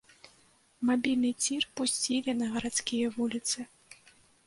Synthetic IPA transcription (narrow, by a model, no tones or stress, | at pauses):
mabʲilʲnɨt͡sʲirpusʲt͡sʲilʲinɐɣɐɾat̪skʲijɐvulʲit̪sɨ